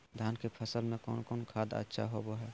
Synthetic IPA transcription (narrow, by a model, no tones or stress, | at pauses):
d̪ʱjaːnkepʰəsəlmẽko̰ːnkoːnkʰaːd̪ə̰tːʃʰa̰ɦoboɦɛ